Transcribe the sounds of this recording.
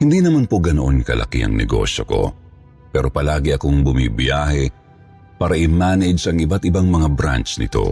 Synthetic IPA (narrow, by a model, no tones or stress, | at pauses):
hɪnd̪inɐmanpoɡɐnoʔonkɐ̰lʔɐ̰kḭʔɐ̰ŋnɛ̰ɡo̰ʃjo̞ko̞̰ | pɛːɾo̞pɐlaːɡɪʔɐkoŋbʊmḭbiaːhɛ | paːɾɐʔɪmaːnɛd͡ʒɐŋɪbat̪ʔɪbaŋmɐŋabɾa̰nt͡ʃnɪ̰t̪o̞̰